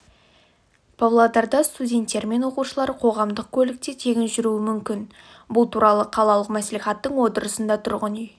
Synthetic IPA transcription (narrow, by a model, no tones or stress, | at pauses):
pʰavlˠod̪ɑɾd̪ɑst̪udʲe̞nt̪ːe̞ɾme̞nwo̞quʃəlˠɑɾqʰo̞ʁɑmd̪əq̚kʲʰɵlɪk̚t̪et̪ʰe̞ɡʲɪnʒʏɾuɪmʏmkʲɪn | bʊlˠt̪ʰuɾɑlˠəqʰɑlˠɑlˠəqmæsliχɑt̪ːəɴwo̞t̪əɾəsənd̪ɑt̪ʰʊɾʁənij